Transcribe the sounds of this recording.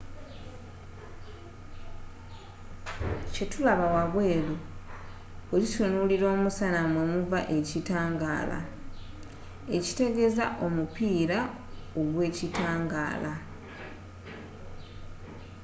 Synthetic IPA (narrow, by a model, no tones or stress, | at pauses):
ce̞tulaβawaβwe̞ːlu | olisonuliɾo̞ːmusanamwemuvaʔe̞citaːŋɡa̰ːla̰ | e̞ci̥te̞ɡe̞zaʔo̞mupiːɾao̞ɡwe̞ːcitaːŋɡa̰ːla